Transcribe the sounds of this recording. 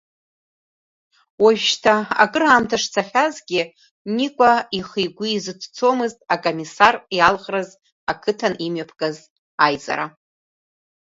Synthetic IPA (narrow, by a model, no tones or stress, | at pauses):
waʒʃtʰaa̰ɡʼɨramtʰaʂt͡sʰaχʲazɡʲi | nikʷʼaiχijɡʷʊːzɨtʷʰʼt͡sʰo̞mɨztʼakʼomisarjalʁraz | akʰɨtʰanimɥapʰɡʼaz | ajza̰ɾa